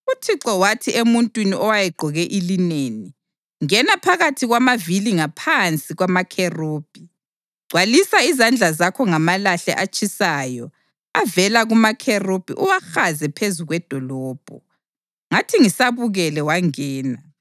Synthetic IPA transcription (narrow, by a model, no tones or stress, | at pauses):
utʰiǁɔwatʰiʔemuntʼwiniʔɔwajɛɡ͡ǃʱɔɣɛʔilineni | ŋɛnapʰaɣatʰiɣwamaviliŋapʰant͡sʼiɣwamakʰeroːb̥ʱi | ɡ͡ǀʱwalisaizand͡ɮʱazakʰɔŋamalaɬɛ̰ʔat͡ʃʼisajɔ | avɛlaɣumakʰerob̥ʱiʔuwaxazɛpʰezuɣwɛd̥ʱɔlɔːb̥ʱɔ | ŋatʰiŋisaβuɣɛlɛwaŋɛːna